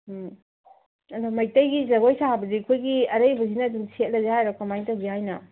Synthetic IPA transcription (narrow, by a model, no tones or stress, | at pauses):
ɐdomɐjtɐjɡizɐɡojsaabɐzikʰojɡiɐɾɐjbɐzinɐːdumset̚lɐzehajɾɔkɐmajntɐwzihajnɐ